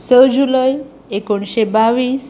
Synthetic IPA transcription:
səd͡ʑuləj | ekoɳɕebaʋiːs

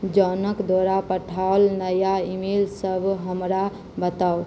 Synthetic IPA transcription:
d͡ʒənəkd̪əɾapəʈʰaʊlnəjaimilsəbʱɦəmɾa | bət̪aʊ

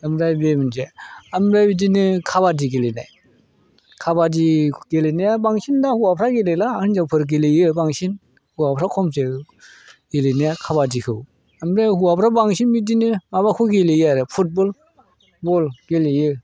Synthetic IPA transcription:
damɾajbemɯnd͡ʒeamɾabidinɯkʰabadiɡelena̰j | kʰabadiɡelenijabaŋsindahuapʰɾaɡelelaɯnd͡ʒapʰɯɾɡ̬elejɯbaŋsin | huapʰɾakʰɔmse | ɡeleniakʰabadikʰɯw | amɾehuapʰɾabaŋʃinbidinɯmabakʰuɡelejaɾɛpʰut̚bɔl | bɔlɡelejɯ

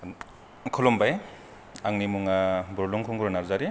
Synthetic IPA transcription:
kʰɔlɔmbaj | aŋnimuŋabɔɾlɔŋkʰɔŋɡuɾɔnaɾzaɾi

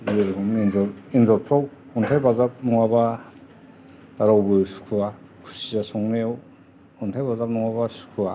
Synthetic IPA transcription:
eɾkuminzɔɾinzɔɾpʰɾɔw | ɔntʰajbazap̚nuŋaba | daɾawbɯsu̥kʰua | kʰu̥sizasɔŋnew | ɔntʰajbazap̚nuŋaβasu̥kʰua

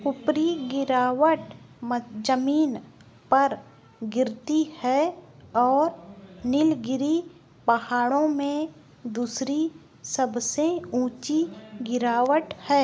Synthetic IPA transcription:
ʊpɾiɡɪɾaːʋəʈ | md͡ʒəmiːn | pɐɾ | ɡɪɾt̪ihɛɔːɾnɪlɡɪɾi | pɐhaːɽõmẽ | d̪uːsɾi | səbseũːt͡ʃiɡɪɾaːʋəʈhɛː

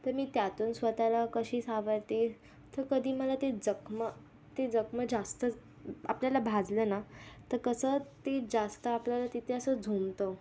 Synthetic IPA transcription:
t̪əɾmiːt̪jat̪uːnsʋət̪alakəɕiːsaʋəɾt̪e | t̪əɾkəd̪ʱiːməlat̪ed͡zəkmə | t̪ed͡zəkməd͡zast̪ə | a̰pljalabʱad͡zlənat̪əɾkəsət̪ed͡zast̪əapljalat̪it̪ʰeəsəd͡zʱumt̪o

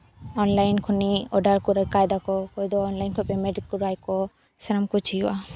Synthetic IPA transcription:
ɔnlajnkʰuniɔɖaɾkuɾajkajd̪akɔkɔjd̪ɔːnlajnkʰɔpɛmɛɖikːuɾajkɔ | sɛɾamkut͡ʃʰija̰

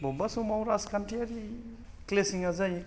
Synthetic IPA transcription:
bobasumawɾaskantiaɾi | klesiŋazaj

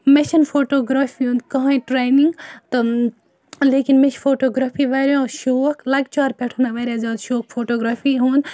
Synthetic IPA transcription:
meʃɐnfʰoːʈoːɡɾaːfiɦũːnd̪kɐɦãĩʈɾeːjniŋɡt̪ɐ | leːkinmet͡ʃʰfʰoːʈoːɡɾaːpʰiʋaːɾjũʃoːʋɐkʰlɐɡt͡ʃaːɾpɛʈʰuːnaʋaːɾʲjad͡ʒaːd̪ʃoːk̚ʰfʰoːʈoːɡɾaːfʰiɦũːnd̪

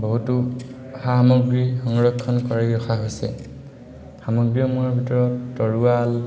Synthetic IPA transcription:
boɦutu | hamɔɡɹixɔŋɹɔkʰːɔnkɔɹɛɡɹɔxaɦojsɛ̰ | xamɔɡɹijɔmuɔbʱitɔɹɔtːɔɹual

